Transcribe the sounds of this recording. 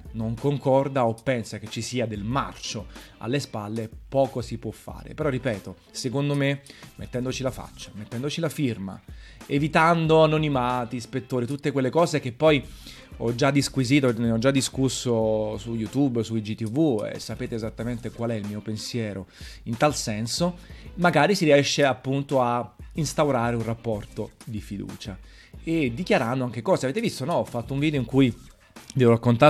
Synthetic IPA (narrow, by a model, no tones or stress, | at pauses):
noŋkoŋkɔrd̪aopːɛnsaket͡ʃːisiːad̪elma̰rt͡ʃoa̰lːespalːepɔːkosipwɔfːa̰ːɾḛpeɾɔrːipɛːt̪o | sekond̪omemːet̪ːɛnd̪ot͡ʃilafa̰t͡ʃːḁmet̪ːɛnd̪ot͡ʃilafirma̰evit̪and̪oanːonimaːt̪ispet̪ːoːɾit̪ut̪ːekwelːekɔːzekepːɔj | ɔd͡ʒːad̪ːiskwiziːt̪oneɔd͡ʒːad̪ːiskusːosujut̪ubːsuid͡ʒit̪ːivuḛsːapeːt̪eːzat̪ːament̪ekwalɛilmiːopensjɛːɾoint̪alsɛnsomaɡaːɾisiɾiɛʃːeapːunt̪oainst̪awɾaːɾeunrapːɔrt̪od̪ifid̪ṵːt͡ʃa | ed̪ːikjaɾand̪oaŋkekɔːzeaveːt̪̬evist̪onɔɔfːat̪ːouɱviːd̪eoiŋkuj | vɛːvoɾakːont̪a